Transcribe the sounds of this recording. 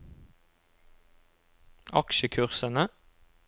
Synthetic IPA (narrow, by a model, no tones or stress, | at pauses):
ʔɑkʃəkʰʉʁsənə